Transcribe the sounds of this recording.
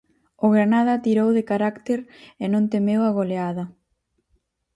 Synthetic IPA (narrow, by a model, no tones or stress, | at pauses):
ʊɣɾanað̞ɐt̪iɾowðekaɾakt̪eɾenõnt̪emewaɣoleaðɐ